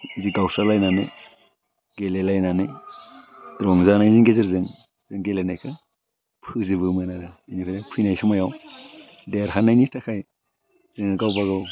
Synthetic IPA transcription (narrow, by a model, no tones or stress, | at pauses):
iziɡawsalajnanɯj | ɡelelajnanɯj | ɾɔŋzanajzinɡezɯɾzɯŋ | zɯŋɡelenajkʰɯ | pʰɯzɯbɯmɯnadɯinipʰinapʰɯjnajsumajaw | deɾɦanajnitʰakʰaj | zɯŋɯɡawbaɡaw